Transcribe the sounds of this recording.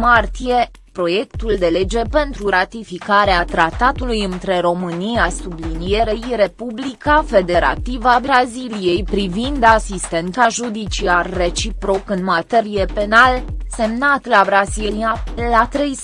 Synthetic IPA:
mart̪ije̞ | pɾo̞je̞kt̪uld̪e̞le̞d͡ʒe̞pe̞nt̪ɾuɾat̪ifikaɾeat̪ɾat̪at̪ulujɨnt̪ɾe̞ɾo̞mɨnijasublinije̞ɾe̞jɾe̞publikafe̞d̪e̞ɾa̰t̪ivabɾazilije̞jpɾivind̪asist̪e̞nt̪aʒud̪it͡ʃiarːe̞t͡ʃipɾo̞kɨnmat̪e̞ɾije̞pe̞nalse̞mnat̪labɾazilialat̪ɾe̞js

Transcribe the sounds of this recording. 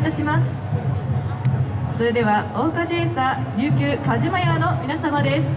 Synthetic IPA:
t̪aɕimasɨ̥ | so̞ɾe̞d̪e̞βao̞ːkaʑiesaɾʲɨːkʲɨːkaʑimajano̞mʲinasamad̪e̞sɨ̥

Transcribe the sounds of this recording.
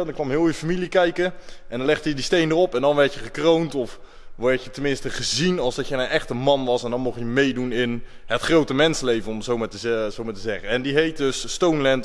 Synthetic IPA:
dŋkʋɑmɦɪːlˠjəfamilikɛjkəʔɛndɔnlɛχtədistejndərɔpɛndɑnʋɛɹtjəχəkrowntɔf | ʋɔɹtjətənmɪnstəχəzinɑlˠzdɑtjənənʔɛχtəmɑnʋɑsɛndɑnmɔχjəmejdunɪn | hətχrowtəmɛnsəlejvənɔmzowmaːtəzowmaːtəzɛχəɛndiɦejt̚døsːtownlɛnt

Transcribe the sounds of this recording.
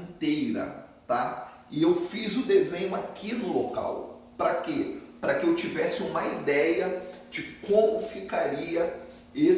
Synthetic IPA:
t̪ejɾɐ̰t̪a | ɪewfizʊd̪ezẽɲʊakʰinʊloka̰w | pɾɐkepɾɐkɪewt͡ʃivɛsɪũmɐid̪ɛjɐ | d͡ʒɪkõmʊfikaɾiɐ | e

